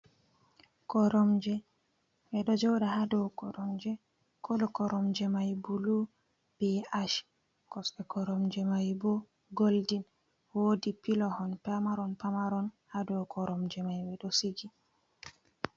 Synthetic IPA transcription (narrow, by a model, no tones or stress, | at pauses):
kɔɾɔmd͡ʒɛ | bɛɗɔd͡ʒɔwɗahadɔwkɔɾɔmd͡ʒɛ | kɔlɔkɔɾɔmd͡ʒɛmajbulu | b̥ɛaʃ | kɔsɛkɔɾɔmd͡ʒɛmajbɔ | ɡoldin | wodipilɔhɔnpamaɾɔnpamaɾɔnhadɔwkʰɔɾɔmd͡ʒɛmajbɛɗɔsiɡi